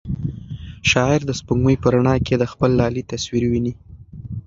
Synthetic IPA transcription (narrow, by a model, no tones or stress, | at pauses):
ʃɑɪɾd̪əspuŋɡməjpəɾaɳɑkʰed̪əxpəlːɑlit̪aswiɾwini